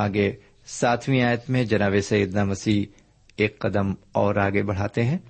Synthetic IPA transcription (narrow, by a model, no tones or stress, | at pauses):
aːɡe | saːt̪ʰwĩaːjət̪mẽd͡ʒɐnaːʋesɐjid̪namɐsiː | eːkːɐd̪əm | ɔːɾaːɡebɐɽ̤aːt̪eɦɛ̃ː